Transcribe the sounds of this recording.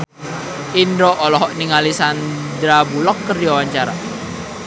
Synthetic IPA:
indɾɔʔɔlɔɦɔʔniŋalisand̪ɾabulɔkːərdiwawaɲt͡ʃaɾa̰

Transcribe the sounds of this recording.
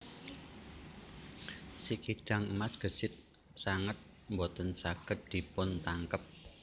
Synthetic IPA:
sikiɖ̥a̤ŋəmasɡ̥ə̤sɪt̪̚ | saŋət̪̚ | mbɔt̪ənsaɡ̥ə̤t̪̚d̪̥i̤pʊnt̪aŋkəp̚

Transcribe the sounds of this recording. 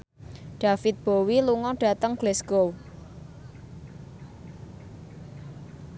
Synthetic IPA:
ɖ̥a̤fɪt̪̚b̥owiluŋɔɖ̥a̤t̪əŋɡ̥lɛsɡ̥ow

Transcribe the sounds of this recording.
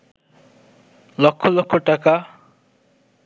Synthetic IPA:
lɔkʰːolɔkʰːoʈaka

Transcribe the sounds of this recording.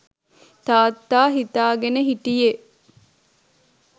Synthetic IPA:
t̪aːt̪ːaːɦit̪aːɡenəɦiʈije

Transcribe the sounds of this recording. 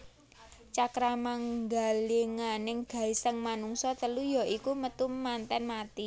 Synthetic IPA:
t͡ʃakɾamaŋɡaliŋanɪŋɡ̥a̤isəŋmanuŋsɔt̪əlujɔikumət̪umːant̪ɛnmat̪i

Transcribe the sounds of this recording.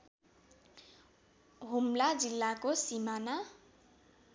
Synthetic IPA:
ɦumlad͡zilːakosimana

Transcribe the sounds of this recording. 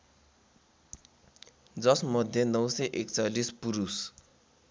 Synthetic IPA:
d͡zʌsmʌd̪ʱjʌnʌwsʌʔekt͡salispuɾus

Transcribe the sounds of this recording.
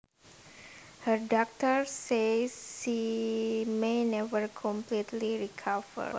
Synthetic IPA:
hərdɔk̚t̪əɹsesʃi | menɛvəɹkʰɔmplit̪liɹikʰavə̰

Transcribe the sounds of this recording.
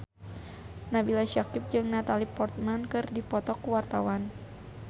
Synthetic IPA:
nabilaʃakɪp̚d͡ʒɨŋnat̪alipɔrt̪̚mankɨrdipɔt̪ɔkuwart̪awan

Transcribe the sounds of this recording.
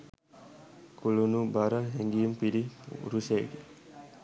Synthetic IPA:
kʰulunubaɾəɦeŋɡijumpiɾḭɾusḛɡe

